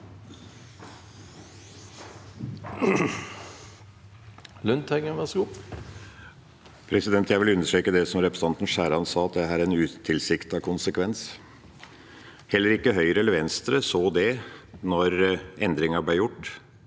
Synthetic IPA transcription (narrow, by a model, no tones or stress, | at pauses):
lʉnt̪hɛŋəʋɛsɡuː | pʰɾɛsɪd̪ɛnt̪ʰjæɪʋɪlʉnːəʂʈɾøːkəd̪ɛsɔmɾɛpɾə̥sɑnt̪n̩ʃæːɾɑnsɑːɑt̪̚d̪ɛæːɾɛnʉːt̪ʰɪlsɪkt̪ɑkʰʊnsəkʰʋɛns | hɛlːəɾɪkːəɦœʏɾəɛlːəɾʋɛnst̪ɾəsoːd̪ɛnɔɾɛnd̪ɾɪŋɑblejʊʈː